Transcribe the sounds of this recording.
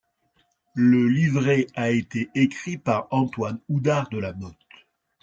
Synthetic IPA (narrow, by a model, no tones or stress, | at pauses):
ləlivʁeaet̪eʔekχipaʁɑ̃t̪wanud̪aʁd̪əlanɔt̪